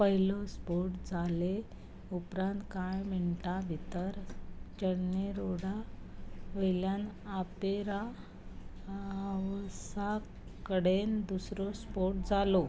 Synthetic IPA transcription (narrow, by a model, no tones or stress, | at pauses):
pəɦilɔspoɾʈd͡zʱale | upɾãnt̪kajm̤əɳʈabʱit̪əɾt͡ɕəɽneɾoɽ̤a | ʋəjljanapeɾa | ʋsa | kəɽend̪usɾɔspoʈ̚d͡zalo